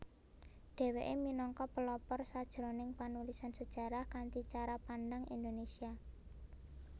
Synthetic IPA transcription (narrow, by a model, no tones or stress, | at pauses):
ɖ̥e̤weʔeminɔŋkɔpəlɔpɔrsad̥ʒ̥ɾonɪŋpanulisansəd̥ʒ̥a̤ɾahkant̪it͡ʃaɾapanɖaŋḭnd̪onesia